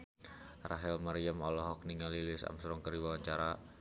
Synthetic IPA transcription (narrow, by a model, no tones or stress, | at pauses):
raɦɛlmaɾjamɔlɔɦɔk̚niŋalilɪsa̰msɾɔŋkəriwawaɲt͡ʃaɾa